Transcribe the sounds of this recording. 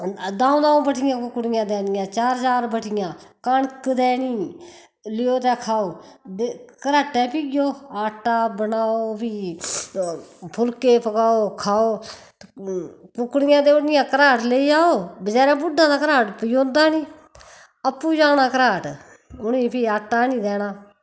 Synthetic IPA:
d̪ãːõːd̪ãːõːbəʈʰɪjãːkʊkɽɪjãːd̪ɛːnɪjãːt͡ʃaːɾt͡ʃaːɾbəʈʰɪjãːkaɳkəd̪ɛːniː | lɪjoːt̪ɛːkʰaːoːd̪kəɾaːʈːɛːpiːɡjoːaːʈːaːbənaːoːpiː | pʰʊlkeːpəkaːoːkʰaːoː | pʊkɽɪjãːd̪eːonɪjãːkəɾaːʈleiːaːoːbəd͡ʒaːɾãːbʊɖʱːãːd̪aːkəɾaːʈpɪjõːnd̪aːnĩː | əpːuːd͡ʒaːnaːkəɾaːʈ | ʊniːpʰiːaːʈːaːnĩːd̪ɛːnaː

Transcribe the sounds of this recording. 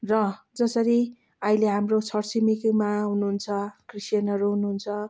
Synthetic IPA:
rʌ | d͡zʌsʌɾi | ʌileɦamrot͡sʰʌrt͡simikmaɦunuɦunt͡sʰʌkrisjanʌɾuɦunuɦunt͡sʰʌ

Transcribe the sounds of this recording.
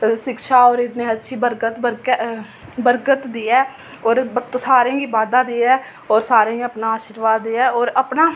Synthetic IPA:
ʃɪkʃaːɔːɾɪt̪nẽːətːʃʰiːbəɾkət̪bəɾ | bəɾkət̪d̪iːɛː | ɔːɾət̪osaːɾẽːɡiːbaːd̪ãːd̪iːɛː | ɔːɾsaːɾẽːəpnaːaːʃɪɾʋaːd̪ːiːɛːɔːɾəpnaː

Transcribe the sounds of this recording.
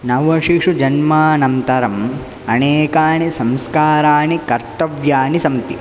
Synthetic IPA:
nɐʋɐʂiʂud͡ʒɐnmaːnɐmt̪ɐɾɐm | ɐneːkaːnisɐmskaːɾaːnikɐɾt̪ɐʋjaːnisɐmt̪ḭ

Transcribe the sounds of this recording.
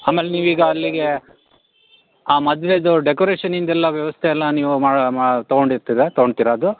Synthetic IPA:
aːmːeːleniːʋiːɡɐːlːiɡe̞ | aːmɐd̪ʋeid̪uɖekoːɾeːʂɐnind̪ɛlːɐʋjɐʋɐst̪ʰeɛlːɐniːʋumaːɽmat̪oɡoɳɖiɾt̪id̪et̪ɔɡoɳɖt̪iːɾaːd̪u

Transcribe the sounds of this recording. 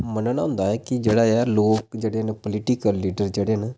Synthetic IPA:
mənənːʊːnd̪aːɛːkɪd͡ʒeːɽaːaloːk̚d͡ʒeːɽeːnpəlɪʈɪkəlːiːɖəɾd͡ʒeːɽeːn

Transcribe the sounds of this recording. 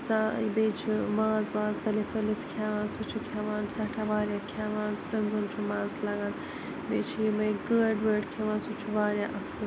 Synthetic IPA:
t͡saibeːt͡ʃʰimaːzʋaːzd̪ɐlit̪ʰɐlit̪ʰkʰaːʋaːnsut͡ʃʰukʰaːʋaːnsɐʈʰaʋaːɾʲjakʰaʋaːnt̪ɐmɡɐnt͡ʃʰumaːzlɐɡan | bet͡ʃʰiimɐjɡəːɖʋəːɖkʰeʋaːnsut͡ʃʰuʋaːɾjaʔɐsɨ

